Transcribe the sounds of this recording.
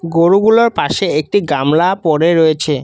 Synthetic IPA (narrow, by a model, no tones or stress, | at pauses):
ɡoɾuɡuloɾpaʃeek̚ʈiɡamlapɔɾeɾojet͡ɕʰe